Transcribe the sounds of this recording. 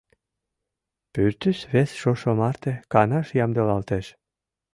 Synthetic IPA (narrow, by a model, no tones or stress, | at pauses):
pyɾt̪ysβesʃoʃomɑɾt̪ĕkɑnɑʃjɑmd̪ɤlˠɑlˠt̪eʃ